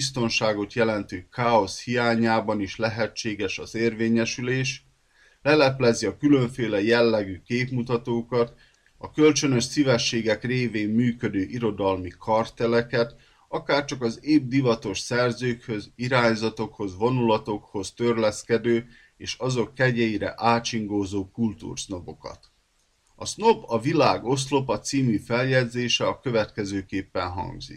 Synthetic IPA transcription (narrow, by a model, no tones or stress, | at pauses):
bist̪o̞nʃaːɡo̞t̪jɛlɛnt̪ykaːo̞shijaːɲaːbɒniʃlɛɦɛt͡ʃːeːɡɛʃɒzeːrveːɲɛʃyleːʃ | lɛlɛplɛziɒkylø̞ɱfeːlɛjɛlːɛɡykeːpmut̪ɒt̪oːkɒt̪ | ɒkø̞lt͡ʃø̞nø̞ʃsivɛʃːeːɡɛkreːveːmːyːkø̞d̪øːʔiɾo̞d̪ɒlmikʰɒrt̪ɛlɛkɛt̪ | ɒkaːrt͡ʃɒkɒzeːb̚d̪ivɒt̪o̞ʃsɛrzøːkhø̞ziɾaːɲzɒt̪o̞kho̞zʋo̞nulɒt̪o̞kho̞st̪ø̞rlɛskɛd̪øː | eːʃɒzo̞kːɛɟɛjiɾɛ̰ʔaːt͡ʃiŋɡoːzoːkult̪ṵːrsno̞po̞kɒ̰t̪ | ɒsno̞pɒvilaːɡo̞s̬lo̞pɒt̪siːmyfɛljɛd̪zeːʃɛɒkø̞vɛt̪kɛzøːkeːpːɛnɦɒ̰ŋɡzḭk